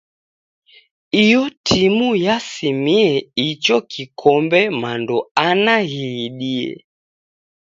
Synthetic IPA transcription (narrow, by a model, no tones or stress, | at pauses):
ijɔtʰimujasimiɛit͡ʃɔkʰikʰɔmbɛmandɔanahiɗiɛ̰